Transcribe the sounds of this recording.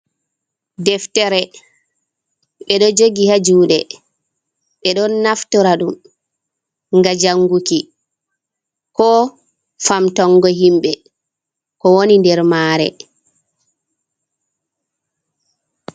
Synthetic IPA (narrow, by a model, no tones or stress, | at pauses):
dɛftɛɾɛ | ɛɗɔd͡ʒoɡihad͡ʒuːɗɛ | ɓɛɗɔnːaftɔɾaɗum | ŋɡad͡ʒaŋɡuki | kɔ | famtɔŋɡɔɦimɓɛ | kɔwonindɛɾmaːɾɛ̰